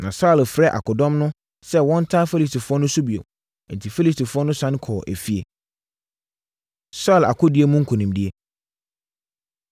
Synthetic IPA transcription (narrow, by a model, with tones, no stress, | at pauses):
nã˨sa˦˨lfɾɛ˦ʔa̰˨kʊ˨dɔ̃˦mnʊ̃˦ | sɛ˦wɔ̃˦n˦tʰã˦fe˦li˨s̬tʰi˨fʊ˦ɔ˦nʊ̃˦su˦bi˨o̰˨ | n̩˨tʰi˨fe˦li˨sti˨fʊ˦ɔ˦nʊ̃˦sã˦ñ˦kʰɔː˨ʔæ̰˨fi˦ḛ˨ | sa˦˨la̰˨kʰʊ˦di˦e˦mũ˦ŋ̩˦kʰõ˨nĩ˨mdi˦e˦